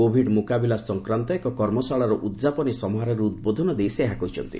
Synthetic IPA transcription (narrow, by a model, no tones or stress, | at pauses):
obʱiɖmukabilasɔŋkɾant̪ɔekɔkɔɾmɔsaɭaɾɔʔud̪zapɔnisɔmɔɦaɾɔɾuud̪̚bod̪ʱɔnɔd̪ejseɦakɔɦit͡ʃʰɔnt̪ḭ